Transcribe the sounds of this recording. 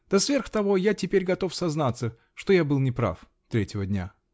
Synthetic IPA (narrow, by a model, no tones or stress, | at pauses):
d̪̥ɐsvʲerxt̪ɐvo̞jatʲɪpʲeɾʲɡɐt̪o̞fsɐznat̪sə | ʂt̪ojabɨlˠnʲɪpɾa̰f | t̪ɾʲetʲɪvədʲnʲa̰